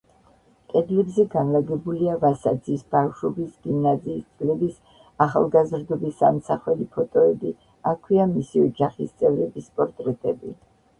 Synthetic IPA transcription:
kʼɛd̪lɛbzɛɡanlaɡɛbuliavasad̪zisbafʃɔbisɡ̥imnaziːst̪sʼlɛbis | aχa̰lˠɡazɾd̪ɔbisa̰msaχwɛlipʰɔt̪ʼɔɛbi | akʰwiamisiɔd͡ʒaχist̪sʼɛvɾɛbispʼɔɾt̪ʼɾɛt̪ʼɛbḭ

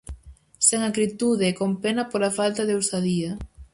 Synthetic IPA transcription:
seŋakɾit̪uðekompenapoɾafalt̪aðewsaðiɐ

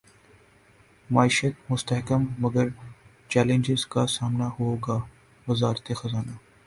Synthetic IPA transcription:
maːiːʃət̪mʊst̪əɦkəmːɐɡəɾ | t͡ʃɛːlẽnd͡ʒɪzkasaːmnahoːɡaː | ʋɪzaːɾt̪exɐzaːna

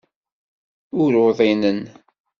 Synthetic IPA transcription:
ʊɾʊðˤinən

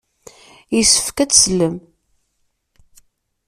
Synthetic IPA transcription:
jisə̥fkæt͡ssləm

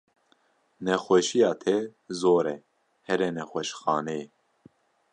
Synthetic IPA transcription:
nɛxʷɛʃijɑːt̪ʰɛzoːɾɛ | hɛɾɛnɛxʷɛʃxɑːne

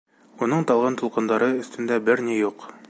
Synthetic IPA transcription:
unɤɴt̪ɒlˠʁɑnt̪ulˠqɤ̆nd̪ɑɾɤɵ̆st̪ɵ̆nd̪æbɘɾnijuq

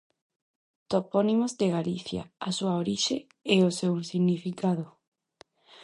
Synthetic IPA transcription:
t̪oponimozd̪eɣaliθja̰asuaoɾiʃe | ɛosewinsiɣnifikað̞o

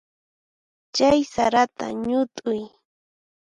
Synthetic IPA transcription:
t͡ʃajsaɾat̪a̰ɲʊt̪ʼʊj

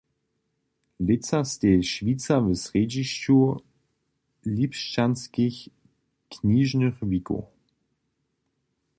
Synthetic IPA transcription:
lɪt͡sɐsteːʃviːt͡sɐvəsʁed͡ʒiʃuɐ | liːpʃtanskɪç | kʰniːʒnəʁviko̰

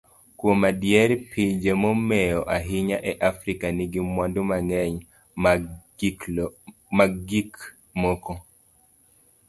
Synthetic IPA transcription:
kwomadjɛɾpʰid͡ʒemɔmɛjɔʔaɦɪɲaʔɛʔafɾikaniɡimwandomaŋɛɲ | maɡik | mɔkɔ

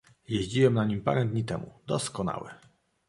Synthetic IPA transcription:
jeʑd͡ʑiwɛmnaɲimpa̰ɾɛd̪ɲit̪ɛmud̪ɔskɔna̰wɛ

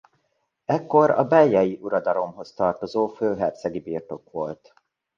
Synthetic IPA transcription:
ɛkːo̞ɾɒ̰bɛjːɒjiʔuɾɒd̪ɒlo̞mɦo̞st̪ɒrt̪o̞zoːføːɦɛrt̪sɛɡibiːrt̪o̞kʋo̞lt̪

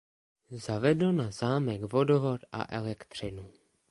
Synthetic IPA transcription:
zavɛdlonazaːmɛɡvo̞dovot̪ʔa̰ʔɛlɛkt̪r̝̥ɪnu

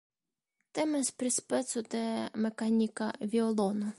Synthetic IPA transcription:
t̪ɛmɪspɾʲɪspɛt̪sʊt̪ɛmekanʲikɐʋʲiɔlˠɔnʊ

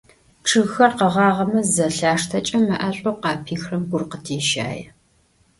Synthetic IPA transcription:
ʈ͡ʂʰɨɣxɐrqɐʁɑːʁɐmɐzɐɬaːʂtʰɐt͡ʃʼɐmɐʔɐɕʷʼoqɑːpʰiːxrɐmɡʷʊrqətʰiːʃa̰ːjɛ

